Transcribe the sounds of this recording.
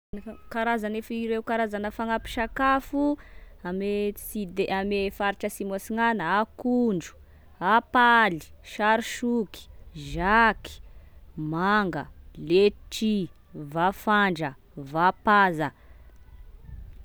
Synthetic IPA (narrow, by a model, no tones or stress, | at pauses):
kaɾazanefiɾewkaɾazanəfaŋapi̥ʃakafuamesid̪eʔamefaɾiʈ͡ʂəsimosiŋanəakuɳɖ͡ʐu̥ | apali̥ʃaɾiʃuki̥ʒaki̥maŋɡə̰leʈ͡ʂi | vafaɳɖ͡ʐə | vapazə